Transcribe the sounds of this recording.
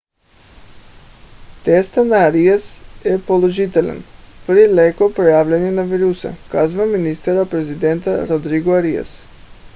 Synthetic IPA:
t̪est̪anaːɾiasjepolˠoʒit̪ela̰nprilekopɾojaːʋʎaɲenaʋiɾusa̰kazʋaminist̪aɾapɾezid̪ent̪aɾod̪ɾiɡoaɾia̰s

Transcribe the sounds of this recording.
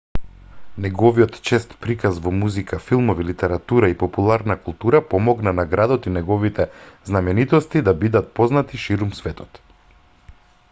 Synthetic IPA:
nɛɡɔviɔt̪t͡ʃɛst̪pɾikazvɔmuzikafilˠmɔvilit̪ɛɾat̪uɾaipɔpulˠaɾnakulˠt̪uɾapɔmɔɡnanaɡɾad̪ɔt̪inɛɡɔvit̪ɛznamɛnit̪ɔst̪id̪abid̪at̪̚pɔznat̪iʃiɾumsvɛt̪ɔ̥t̪

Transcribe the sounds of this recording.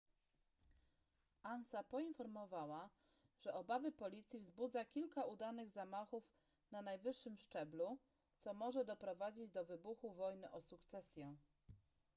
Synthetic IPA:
ʔansapɔinfɔɾmɔvawa | ʐ̥ɛʔɔbavɘpɔlʲit̪sʲjivzbud̪zakʲilkaud̪anɘɣzamaxuf | nanajvɘʂːɘmʂt͡ʂɛblu | t̪sɔmɔʐɛd̪ɔpɾɔvad͡ʑid͡ʑd̪ɔvɘbuxuvɔjnɘʔɔsukt̪sɛsʲjɛ

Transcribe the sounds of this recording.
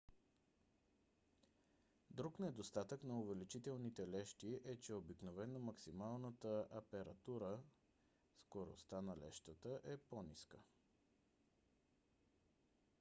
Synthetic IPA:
d̪ɾuknɛd̪ost̪at̪əknɐʊvɛlit͡ʃit̪ɛlˠnit̪ɛlɛʃt̪iʔɛt͡ʃɛobiknovɛnomɐksimalˠnət̪əɐpɛɾɐt̪uɾə | skoɾo̰st̪anɐlɛ̰ʃt̪ət̪əʔɛponiskə

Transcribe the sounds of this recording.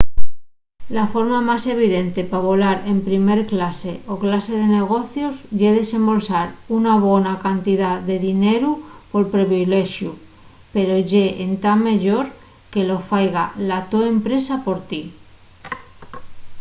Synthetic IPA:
lafo̞ɾmamase̞β̞iðe̞nt̪e̞paβo̞laɾe̞mpɾime̞ɾklase̞ʔoklase̞ð̞e̞ne̞ɣ̞o̞θjo̞zʝeðe̞sẽ̞mbo̞lsaɾunaβonakant̪iðaðe̞ðine̞ɾupo̞lpɾeβile̞ʃju | pe̞ɾo̞ʝe̞ʔent̪amːeʝo̞ɾ | ke̞lo̞fajɣalat̪oempɾe̞sapo̞ɾt̪i

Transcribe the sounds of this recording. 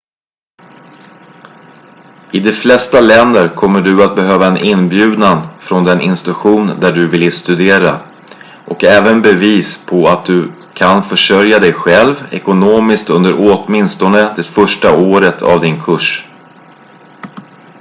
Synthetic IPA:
ɪd̪ɛflɛst̪alɛnd̪əɾkʰɔmːəɖɵat̪̚bɛɦøːvaɛnʔɪnbjʉ̟ːd̪nanfɾɔnd̪ɛnʔɪ̰nst̪ɾɵɧuːnd̪æɖɵvɪlːst̪ɵd̪eːɾa | ʔɔkɛːvənbɛviːspʰɔat̪̚d̪ɵ | kʰanfœʂœɾjad̪ɛjɧɛlvɛ̰kʊnoːmɪskt̪ɵnd̪əɾot̪mɪnst̪ɔnəd̪ɛfœʂʈaoːɾət̪ʰa̰vd̪ɪnkʰɵʂ

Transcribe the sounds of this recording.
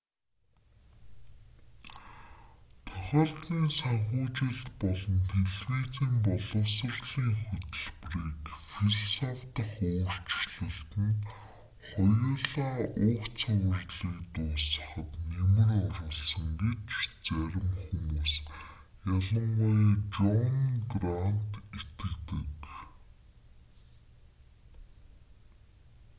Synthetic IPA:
t̪ʰʊ̥χʲaːɮt̪iːnsaɴχʊːt͡ɕɪ̆ɮt̪pɔɮɞ̆nt̪ʰeɮwiːt͡siːmpɔɮɞ̆wsə̆rɮiːŋxʊt̪ɵ̆ɮpriːkfiɮɔsɔft̪ə̆χʊːr̥t͡ɕɮɘ̆ɬt̪ɘ̆n | χɔjʊːɮaːʊːkt͡sʰœwə̆rɮiːkt̪ʊːsə̥̆χə̆t̪nemɘ̆rɔrɞ̆ɮsə̆ŋɡet͡ɕt͡sæɾʲɪ̆mxumuːs | jaɮə̆mɢʊjʈ͡ʂɔnɡran̥t̪et̪ɘ̆kt̪ɘ̆k

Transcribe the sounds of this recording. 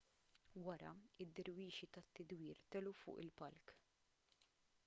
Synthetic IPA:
wɐɾɐ̰ɪd̪ːɪɾwiːʃit̪ɐt̪ːɪd̪wiːɾt̪ɛlufʊ̰ːʔɪlpɐlk

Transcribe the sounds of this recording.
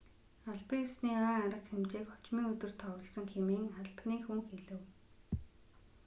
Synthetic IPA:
aɮpiːŋsniːaːŋaɾə̆qxemt͡ɕeːkχɔ̥t͡ɕmiːŋɵt̪ɵ̆rt̪ʰɔwɞ̆ɮsə̆ŋxemeːŋχaɮpniːxuŋxeɮɘ̆w

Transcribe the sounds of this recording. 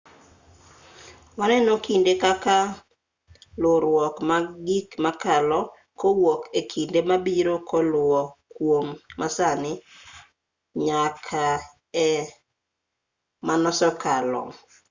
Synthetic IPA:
wanɛnokindekaka | lʊɾwɔkmaɡikmakalɔ | kowokekʰindemabiɾokɔlʊɔkwomːasanɪ | ɲakʰa | ɛ | manɔsɔkalɔ̰

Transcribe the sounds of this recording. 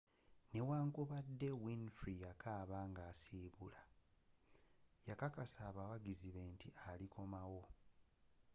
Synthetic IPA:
ne̞waːŋkuβadːe̞winfɾijakʰaːβaːŋɡaːsiːβula | jakakasaːβawaɡiziβe̞ːntialikʰo̞mawo̞

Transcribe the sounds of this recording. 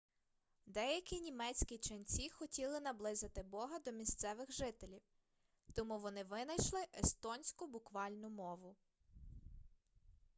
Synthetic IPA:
d̪ɛjɐkʲinʲimɛt͡sʲkʲit͡ʃɐnʲt͡sʲixɔtʲilˠɪn̪ɐblˠɪzɪt̪ɪbɔɦɐd̪ɔmʲist̪sɛʋɪxʒɪt̪elʲiw | t̪ɔmuʋɔnɪʋɪnɐjʃlˠɪʔest̪ɔnʲsʲkʊbʊkʋɑlʲnʊmɔʋʊ

